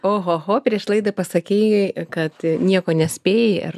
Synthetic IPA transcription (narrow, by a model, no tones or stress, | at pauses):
oːɦoːɦoːpʲɾʲiɛʃlˠɐɪd̪ɐpɐsɐkʲiːjɛkɐt̪nʲiɛkoːnʲɛsʲpʲeːjeɪ̰r